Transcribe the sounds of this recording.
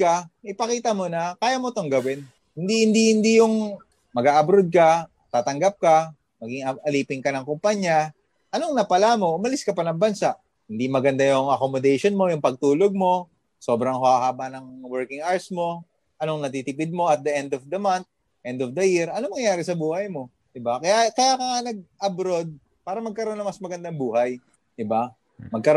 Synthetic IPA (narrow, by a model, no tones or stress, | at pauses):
kɐʔɪpɐkiːt̪ɐmo̞nɐkaːjamot̪oŋɡɐwɛn | hɪnd̪ihɪnd̪ihɪnd̪ijʊŋ | mɐɡaːʔɐbɾod̪̚kɐ | t̪aːt̪ɐŋɡap̚kɐ | mɐɡɪŋɐʔɐliːpɪŋkɐnɐŋkʊmpaɲːa | ʔɐno̞ŋnɐpɐlamo̞ʔʊmɐlɪskɐpɐnɐŋbɐnsaʔ | hɪnd̪imɐɡɐnd̪ajʊŋʔɐkomod̪ɛjʃonmo̞jʊŋpɐɡ̚t̪uːloɡ̚mo̞ | so̞ːbɾɐŋhʊhahaːbɐnɐŋwɛɹkɪŋaɹsmo̞ | ʔɐnoŋnɐt̪it̪ɪpɪd̪̚mo̞ʔɐt̪̚d̪ɐʔɛnd̪ofd̪ɐmant̪̚ | ʔɛnd̪ofd̪ɐjɪɾɐnoŋmɐŋjaːɾɛsɐbuːhɐjmo̞ | d̪ɪbakɐjakɐjaːkɐŋanɐɡ̚ʔɐbɾo̞d̪̚ | paːɾɐmɐɡ̚kɐɾo̞nːɐmɐsmɐɡɐnd̪aŋbuːhɐj | d̪̥ɪba | mɐɡ̚kɐɾ